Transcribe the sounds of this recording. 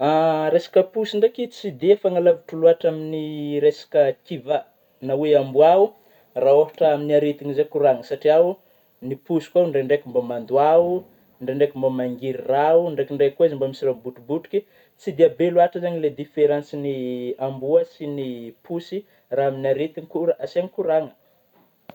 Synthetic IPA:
aɾesḁkəpusiɳɖ͡ʐekit͡sid̪efaŋalavuʈ͡ʂuluaʈ͡ʂaminiɾesḁkəkiva | naweambuau | raːofḁʈ͡ʂaaminiaɾet̪iɲizekuɾaŋəsaʈ͡ʂiau | nipusi̥kʷauɳɖ͡ʐeɳɖ͡ʐekʲumbomand̪uau | ɳɖ͡ʐeɳɖ͡ʐekumbomaŋɡiɾirauɳɖ͡ʐekiɳɖ͡ʐekuaizmbamisirabuʈ͡ʂubuʈ͡ʂu̥kʲi | t͡sid̪iabeluaʈ͡ʂəzaɲiled̪ifeɾãnsiniambuəsinipʰusi | raaminaɾet̪iŋikuɾaasiaŋikuɾaŋə̥

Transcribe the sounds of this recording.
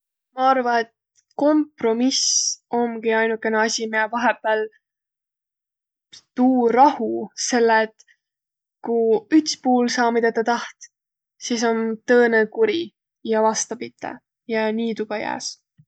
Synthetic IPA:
mɑɑrvɑet̪ | ko̞mpro̞misʔo̞mɡ̥iɑjnukːˑe̞neɑsʲimiɑvɑɦepːˑeːl | t̪uːrɑhuse̞lːet̪ | kuyt̪spuːlsɑːmid̪et̪ːɑt̪ɑht̪ | sis̬o̞nt̪ɤːnekuɾi | jɑvɑst̪ɑpit̪ˑːḛ | jɑniːt̪uɡ̥ɑjæ̰ːs

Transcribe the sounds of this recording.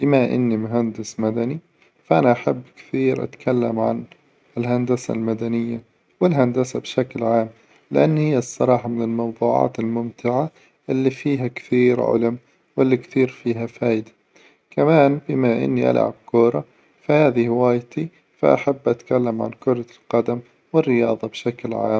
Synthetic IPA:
bɪmaʔɪ̰nːimʊɦand̪ɪsmad̪ani | faʔanaʔaħabːkθiːɾʔa̰t̪kʰalːa̰mʕa̰n | ɪlɦand̪asa̰lmad̪anɪjːa | wɪlɦand̪asabʃaklʕaːm | lɪʔa̰nːhɪjːasˤːɑɾˤɑːħɑmɪnɪlmɑwðˤuːʕɑ̰ːt̪ɪlmʊmt̪ʰɪʕa | ʔɪlːifiːɦakθiːɾʕʊ̰lʊm | wɪlːikθiːɾfiːɦafaːjd̪ḁ | kamaːnbɪmaʔɪ̰nːiʔa̰lʕa̰b̚kuːɾˤɑ | fahaːðihɪwaːjt̪i | fa̰ʔa̰ħabːʔat̪kalːamʕa̰nkʊɾˤɑlqɑd̪am | wɪrːɪjɑːðˤɑbʃaklʕa̰ːm

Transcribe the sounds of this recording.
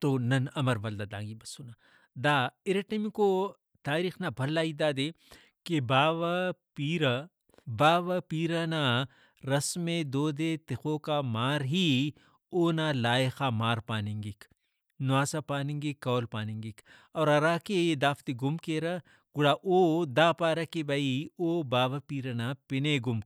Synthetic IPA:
t̪oːnɐnɐmɐɾʋɐld̪ad̪ã̰ːŋɡibɐsːunaː | d̪aːɪɾeʈemiko | t̪aːɾiːxnabʱɐlːaːid̪aːd̪eː | kebaːʋapiːɾa | baːʋapiːɾana | ɾɐsmed̪oːd̪et̪ɪxoːkamaːɾɦi | oːnaːlaːjexaːmaːɾpaːniŋɡik | nʊaːsapaːniŋɡikːɔːlpaːniŋɡik | ɔːɾɐɾaːked̪aːft̪iɡʊmkeːɾɐ | ɡ̥ʊɽaːʔoːd̪aːpaːɾɐkebaioːbaːʋɐpiːɾɐnaːpɪneɡʊmk

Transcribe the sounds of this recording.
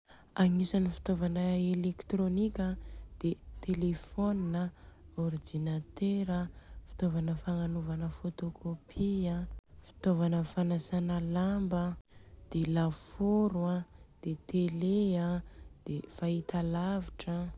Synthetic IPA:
aŋisanifi̥t̪ovanəelekt̪ronikʲad̪̥et̪elefoninəord̪inat̪eɾəfi̥t̪ovanəfaŋanuvanəfot̪okʰopʰiəfi̥t̪ovanəfanasanalambəd̪̥elafoɾwad̪̥et̪elead̪̥efait̪alaviʈ͡ʂə

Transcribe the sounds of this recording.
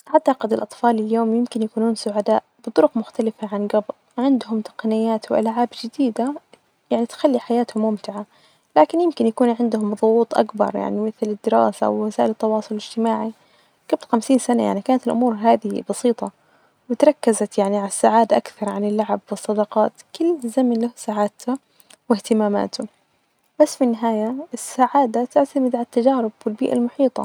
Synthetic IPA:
ʕat̪ːaqɪd̪ɪlʔɑt̪ˤfɑːlɪljoːmjɪmkɪnjakuːnuːnsʊʕad̪aːʔb̥ɨt̪ˤʊɾʊqmʊxt̪alɪfaʕanɡɑbt̪ | ʕɪnd̪ɦʊmt̪ɑ̥qɑnɪjːaːt̪wɪʔa̰lʕaːbd͡ʒɪd̪iːd̪a | jaʕnit̪xalːiħajaːt̪hʊmːʊmt̪ɪʕa | laːkɪnjɪmkɪnjakuːnʕɪnd̪hʊmðˤʊwuːt̪ˤʔa̰kbɑ̰ɾˤja̰ʕnimɪθlɪd̪ːɪɾɑ̰ːsaʔa̰wwasaːʔɪlɪt̪ːɑwɑːsˤʊlɪlɪd͡ʒt̪ɪmaːʕi | kablxamsiːnsanajaʕnikaːnat̪ɪlʔʊmuːɾɦaːðɪhḭbɑsiːt̪ˤɑ | wɪt̪ɾˤɑkːazat̪jaʕniʕalasːaʕaːd̪aʔakθɑɾˤʕanɪlːaʕabwɨsˤːɑd̪ɑqɑːt̪kʊlːzamanlahsaʕaːd̪t̪ʰa | wɪht̪ɪmaːma̰ːt̪ʊ | b̥asːfinːɪɦaːjaɪsːaʕaːd̪at̪ɪʕt̪amɪd̪ʕalat̪ːad͡ʒaːɾɪbwɪlbḭːʔa̰lmʊħiːt̪ˤɑ̰

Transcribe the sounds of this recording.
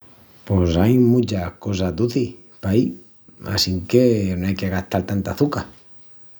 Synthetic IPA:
posajmut͡ʃahko̞s̬ad̪uθi | pai | a̰siŋkenoajkeɣaht̪alt̪ant̪aθuka

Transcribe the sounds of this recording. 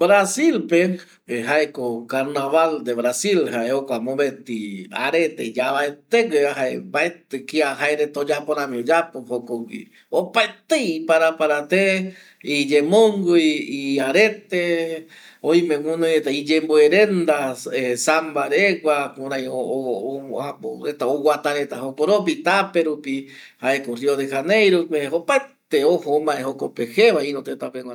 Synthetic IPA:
bɾasilpe | eɦaekokaɾnaβald̪eβɾasilhaeokʷamõβet̪ia̰ɾet̪eid͡ʒaβaet̪eɡeaɦaebaet̪ekiaɦaeɾet̪od͡ʒapoɾãmĩod͡ʒapohokoɡḭ | opaet̪ejpaɾapaɾat̪e | id͡ʒemõŋɡojiaɾet̪e | oj̃mẽwũnoet̪aid͡ʒemboeɾend̪aesambaɾeɡʷakuɾãj̃o | aoet̪aowat̪aɾet̪aɦokoɾopit̪apeɾupihaekoriod̪ehanejɾupehopaet̪eohomãehokopeheβainõt̪et̪apeŋʷa

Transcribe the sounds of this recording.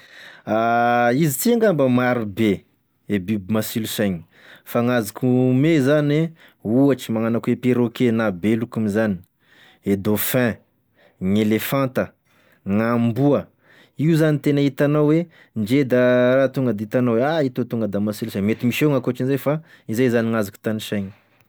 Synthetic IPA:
aizit͡siaŋɡambəmaɾube | ebibimasilusaɲi̥ | faŋazikʲʰumezane | uaʈ͡ʂimaŋanakwepeɾokenabelukumizani̥ | ed̪ofɛ̃ | ŋelefãnt̪ə | ŋambuə | iuzanit̪enəit̪anawwe | ɳd͡ʒed̪aɾat̪uŋɡəd̪it̪anaweait̪ot̪uŋɡəd̪amasilusajɲmet̪imiʃeŋakuaʈ͡ʂinzajfa | izajzaniŋazaku̥t̪aniʃajɲi̥

